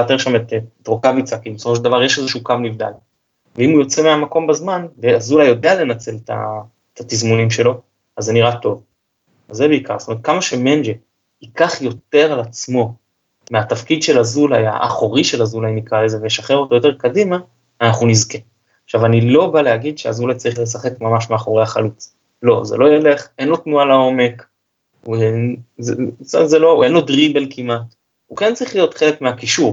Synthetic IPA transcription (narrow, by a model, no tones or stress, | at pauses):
at̪eʁʃamet̪t̪ʁokavit͡sakibesofo̞ʃeld̪avaʁjeʃezeʃukamnivd̪a̰l | veimujo̞t͡semeamako̞mbazmanveazulajo̞deale̞nat͡se̞lta̰ | t̪at̪izmunimʃe̞lo̞ | azːeniʁat̪o̞v | azːebeika̰ʁstomeet̚kamaʃe̞mend͡ʒe | ikaχjo̞t̪e̞ʁalat͡smo̞ | meatafkidʃe̞lazulaja̰ʔa̰χo̞ʁiʃe̞lazulajinikʁalezevejeʃaχe̞ʁo̞t̪ojo̞t̬e̞ʁkadimaː | naχnunizke | χʃavanilo̞balehaɡid̪ʃea̰zulat͡saʁiχle̞s̬aχe̞kmamaʃmeaχo̞ʁejaχalut͡s | lo̞̰ze̞̰lo̞jele̞χʔe̞nlo̞tnualao̞me̞k | uenzea̰zeloe̞nlo̞dʁibelkimat | ukent͡saʁiχlijo̞t̪χele̞kmeakiʃuʁ